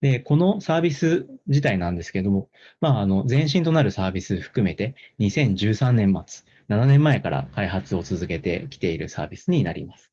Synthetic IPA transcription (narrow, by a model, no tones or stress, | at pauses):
d̪̥e̞ko̞no̞saːbʲisɨd͡ʑit̪ainãnd̪e̞sɨ̥keed̪o̞mo̞ | maːno̞d͡zẽ̞ɰ̃ɕ̬ĩnt̪o̞naɾɯ̟saːbʲisɨɸɯ̟̥kɯ̟me̞t̪e̞ɲ̟isẽ̞ɲ̟d͡ʑɨːsãnːẽ̞mːa̰t͡sɨ̥ | nananẽ̞mːae̞kaɾa̰kaiɦat͡sɨo̞t͡sɨzɨke̞t̪e̞̰kʲi̥t̪e̞iɾɯ̟sa̰ːbʲisɨɲ̟inaɾʲḭmasɨ̥